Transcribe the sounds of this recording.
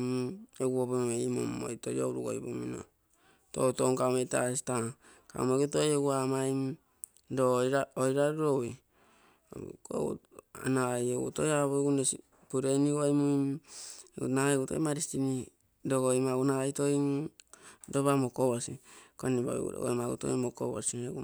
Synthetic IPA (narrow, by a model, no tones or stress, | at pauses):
eɡuopomomeimo̰mːo̰jtojo̰wɾuɡo̰jpumino̰ | to̰utoŋkawmeta̰si̥ta | ka̰umeɡutojeɡuamajm | dojɾaojɾaɾuɾowi | ko̰a̰najoɡṵtojaβoɡunesi | puɾeniɡojmuj | ṵnaeɡuto̰jmaɾistini | doɡojmaɡunaajtoi | doβamokoβosikonibo̰j̰ṵɾo̰ɡo̰jmaɡṵto̰imoko̰βo̰sieɡu